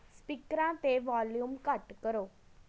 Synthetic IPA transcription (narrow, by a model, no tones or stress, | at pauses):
spikɾãt̪eʋaːljumkəʈkəɾoː